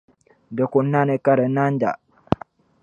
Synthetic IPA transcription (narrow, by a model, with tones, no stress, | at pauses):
də˨ku˨nːa˦ne˨ka˦ɾə˨na˦n˦d͡ʒa̰˨